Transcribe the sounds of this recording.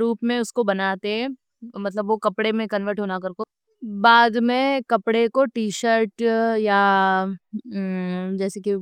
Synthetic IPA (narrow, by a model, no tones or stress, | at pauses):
ɾuːpmẽʊskobɐnaːt̪eɦɛ | mɐt̪ləbʋokɐpɽemẽkɐ̃nʋəɾʈɦoːnakɐɾko | baːd̪mẽkɐpɽekoʈiːʃəɾʈja | d͡ʒɛːseki